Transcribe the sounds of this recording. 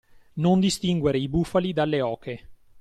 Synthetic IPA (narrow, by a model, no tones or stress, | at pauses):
nond̪ist̪iŋɡweɾeibufalid̪alːeɔːke